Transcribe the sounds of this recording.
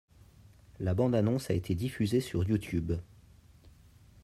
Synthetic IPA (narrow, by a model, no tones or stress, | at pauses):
labɑ̃d̪anɔ̃saet̪ʰed̪ifyzesyʁjut̪yb